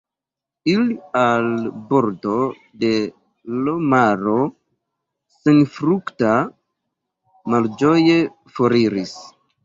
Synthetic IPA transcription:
ilialbo̞ɾdo̞ | de̞ | lomaɾo̞ | senfɾukta | mald͡ʒo̞je̞ | foɾiɾis

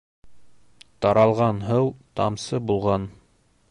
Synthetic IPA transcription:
t̪ɑɾɑlˠʁɑnɦɤwt̪ɑ̰msɤbulˠʁɑn

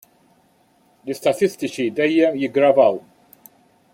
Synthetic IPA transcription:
lɪst̪ɐt̪ɪst̪ɪt͡ʃid̪ɛjːɛmjɪɡɾɐvɐw

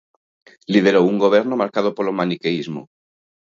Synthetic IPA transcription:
liðe̞ɾouŋɡo̞βe̞ɾnomaɾkað̞opolomanikeizmo̰

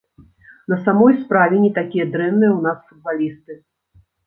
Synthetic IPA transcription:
nɐsamɔjspɾavʲɛnʲit̪akʲijɐd̪ɾɛnːɨjɛwnasfud̪̚balʲist̪ɨ

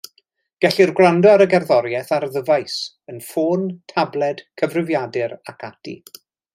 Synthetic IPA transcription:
ɡ̥ɛɬirɡrandɔaɾəɡɛrðɔɾjɛθarðəvajs | ənfoːntʰablˠɛd̥kʰəvrɪvjadɪɾakʰatʰḭ

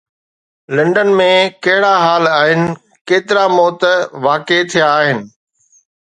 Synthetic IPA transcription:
lɐ̃ɳɖənmẽkɐɦɪɽaɦaːlaːɦɪnɪ̆ | keːt̪ɪɾamɔːt̪ʋaːket̪ʰijaːɦɪnɪ̆

